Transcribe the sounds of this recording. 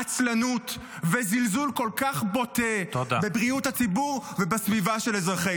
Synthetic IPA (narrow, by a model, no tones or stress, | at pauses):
at͡slanut | vezilzulko̞lkaχbo̞teod̪abebʁiuthat͡sibuʁvebasvivaʃelezʁaχe